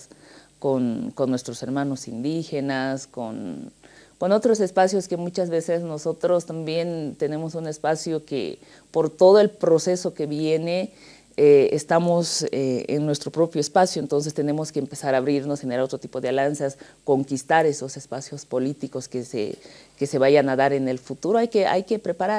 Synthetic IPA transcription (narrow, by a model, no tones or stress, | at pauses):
s | konko̞nːwe̞st̪ɾose̞ɾmãno̞sḭnd̪ixe̞nasko̞̰n | kono̞t̪ɾo̞se̞spasjo̞ske̞mut͡ʃazβe̞se̞zno̞so̞t̪ɾo̞st̪ambje̞nt̪e̞ne̞mo̞sune̞spasjo̞kḛ | po̞ɾt̪o̞ð̞o̞e̞lpɾo̞se̞so̞ke̞βje̞ne̞ | ḛːst̪amo̞seḛnnwe̞st̪ɾo̞pɾo̞pjoespasjoent̪o̞ns̬est̪e̞ne̞mo̞ske̞empe̞saɾaːβɾiɾnosxenelaot̪ɾot̪ipo̞ðealansas | ko̞ŋkist̪aɾe̞so̞sespasjo̞spo̞lit̪iko̞skesḛke̞se̞βajanaðaɾe̞ne̞lfut̪uɾoajke̞ʔa̰jkepɾe̞paɾaɾ